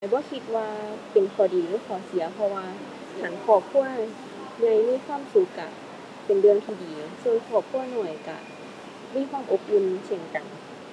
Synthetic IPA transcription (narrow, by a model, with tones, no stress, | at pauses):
bɔː˧˦kʰi˧t̪̚waː˧pe˨˩nkʰɔː˨˩diː˨˩lɯː˨˦kʰɔː˨˦si˨˦ɐpʰɔ˧waː˧ | kʰa˧˩˦nkʰɔː˧˩p̚kʰu˧˥˩ɐ | ɲa˧˩jmaː˧˥˨kʰwaː˧˥˨msu˨˦kːa˧˩ | pe˨ndɯ˧əŋt̪ʰiː˧˩diː˨˩su˧ənkʰɔː˧˩p̚kʰu˧˥˩ɐnɔ˨˩jka̰˧˩ | miː˧˥˨kʰwaː˧˥˨mʔo˧˥p̚lu˧nse˧˩nka˨˩n